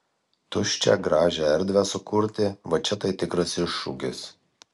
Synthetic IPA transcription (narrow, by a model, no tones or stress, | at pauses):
t̪ʊʃʲt͡ʃʲɛ̰ɡɾɑːʒʲɛɛɾʲd̪ʲʋʲæsʊkʊɾʲt̪ʲɪʋɐt͡ʃʲɛt̪ɐɪt̪ʲɪkɾɐsɪʃːṵɡʲɪ̰s